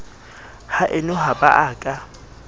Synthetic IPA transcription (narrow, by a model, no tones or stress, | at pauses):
haʔɪnɔɦabaʔaːkʼa